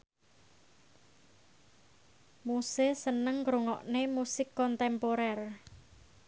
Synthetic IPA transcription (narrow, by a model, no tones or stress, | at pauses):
musesənəŋɡɾoŋɔ̰ʔnemusɪkːɔnt̪ɛmpoɾɛr